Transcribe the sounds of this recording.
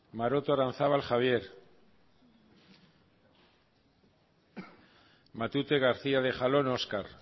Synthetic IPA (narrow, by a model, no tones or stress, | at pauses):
maɾo̞t̪oaɾan̟θaβalxaβ̞je̞ɾ | mat̪ut̪e̞ɣ̞aɾθiaðe̞χalo̞no̞skaɾ